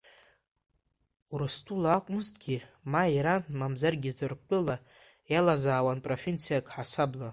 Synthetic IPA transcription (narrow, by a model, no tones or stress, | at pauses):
uɾɨstʰʼulaakʷʼʊmɨztʼɡʲimaiɾamamzarɡʲizɨrkʷʰʼtʼɨla | jalazaːwanpʼrofʲent͡sʰijakʼħasabla